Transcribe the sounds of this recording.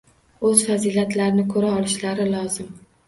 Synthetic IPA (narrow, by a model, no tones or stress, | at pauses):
ɵz̥fazilat̪laɾnɪkʰɵɾaɒlɪʃlaɾɪlɒzɪm